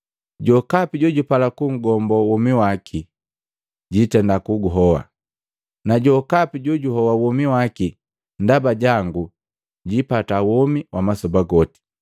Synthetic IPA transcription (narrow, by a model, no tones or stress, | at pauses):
ɟɔkapiɟɔɟupalakuŋ̩ɡɔmbɔwɔmiwakʰi | ɟitɛndakuɡuɦɔwa̰ | naɟɔkapiɟɔɟuhɔwawɔmiwaki | ndabaɟaŋɡu | ɟipatawɔmiwʔamasɔbaɡɔti̥